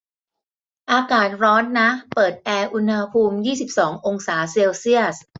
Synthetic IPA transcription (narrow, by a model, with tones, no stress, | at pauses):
ʔaː˧kaː˨˩t̪̚ɾɔː˦˥nːa˦˥pɤː˨˩t̪̚ʔɛː˧ʔu˧nha˧pʰuː˧mjiː˥˩si˨˩p̚sɔː˩˦ŋʔo˧ŋsaː˩˦seː˧wsi˥˩əs̚